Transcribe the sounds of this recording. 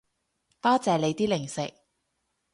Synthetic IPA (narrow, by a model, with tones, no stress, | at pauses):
t̪aː˥t͡sɛː˨˧le˨˧jt̪iː˥lɪ˨˩ŋsɪ̰˨k̚